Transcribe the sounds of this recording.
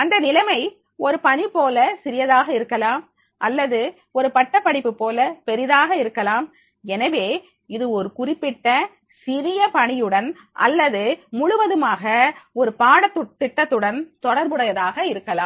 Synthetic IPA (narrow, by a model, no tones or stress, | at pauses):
ɐnd̪ɐnɪlɐmɐɪ | ɔɾɯpɐɳipoːlɐsɪɾɪjɐðaːɣɐɪɾɯkːɐlaːm | ʔɐlːɐðɯ | ɔɾɯpɐʈːɐpːɐɽɪpːɯpːoːlɐpɛɾɪðaːɣɐɪɾɯkːɐlaːm | ɛnɐʋeː | ɪðɯɔɾɯkʊrɪpːɪʈːɐ | sɪɾɪjɐpɐɳɪjɯɽɐn | ʔɐ̰lːɐðɯmʊɻʊʋɐðɯmaːɣɐɔɾɯpaːɽɐt̪ːɯt̪ːɪʈːɐt̪ːɯɽɐnt̪ɔɽɐɾbɯɽɐjɐðaːɣɐɪɾɯkːɐlaːm